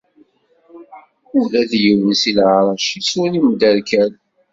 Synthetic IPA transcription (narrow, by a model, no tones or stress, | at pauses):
ʊðæðjəwənsilʕɾˤɑʃisunimd̪æɾkæl